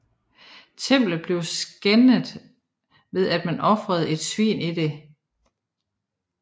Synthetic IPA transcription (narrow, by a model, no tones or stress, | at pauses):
t͡sʰem̰b̥ləð̩ˠb̥le̝ʊsɡ̥enəð̩ˠ | ʋe̝ð̞ˠæd̥mænʔɒ̽fʁɐð̞ˠe̝d̥sʋḭːnid̥e̝